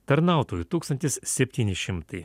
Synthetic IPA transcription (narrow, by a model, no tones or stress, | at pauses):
t̪ɐɾnɑˑʊt̪oːjut̪uːkst̪ɐnʲt̪ʲɪssʲɛpʲt̪ʲiːnʲɪʃʲɪmt̪ɐɪ